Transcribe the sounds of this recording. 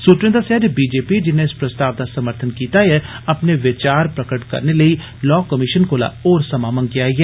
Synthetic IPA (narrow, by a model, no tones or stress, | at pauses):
suːt̪ɾẽd̪asɛːdbiːd͡ʒeːpid͡ʒɪnːeɪspɾəst̪aːʋd̪asəməɾt̪ʰənkiːt̪aɦɛ | ɐpneʋɪt͡ʃaːɾpɾəkəʈkɐ̰ɾneləi | lɔːkəmɪʃənkoːla̰oːɾsɐmaːmənkɪjaiɦɛː